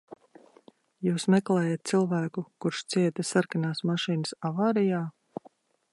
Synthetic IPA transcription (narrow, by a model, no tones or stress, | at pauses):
juːsmɛklɛːjat̪̚t̪silˠvæːkukuɾʃt̪siɛt̪asaɾkanaːsmaʃiːnɨsavaːɾijaː